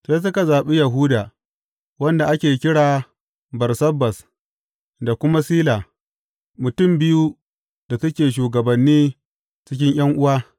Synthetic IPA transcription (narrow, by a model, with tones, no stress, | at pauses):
ss̬ʊ˦ka˨zaː˨ɓe˦ja˨ɦʊː˦daː˨ | wɐ˦nda˨ʔa˦kʲeː˨kʲɪ˦ɽaː˨ | bɐ˨rsɐ˦bːɐ˨s | da˨kʷʊ˦ma˦siː˦laː˨ | mʊ˨tʊ˦˨mbɪ˦ju˦ | da˨sɐ˦kʲeː˨ʃ̬uː˨ɡɐ˨bɐ˨nːiː˦ | t͡ʃɪ˦k̬ʲɪ˦ɲj̰ɐ˦ŋʔʊ˦waː˦